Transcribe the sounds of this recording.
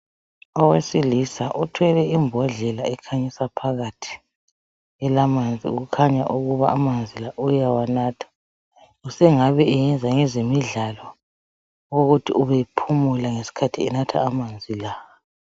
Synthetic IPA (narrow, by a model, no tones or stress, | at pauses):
ɔwesilisaʔutʰwɛlɛimbʱɔɮɛlaɛkʰaɲisapʰaɣatʰi̥ | ɛlamand͡zʱḭṵɣukʰaɲaʔuɣuβaːmand͡zʱilaʔujawanaːtʰḁ | usɛŋaβɛːjɛnd͡zʱaŋɛzemiɮalɔ | woɣutʰiuβepʰumulaŋesi̥kʰatʰiɛnatʰa̰ːmand͡zʱilaa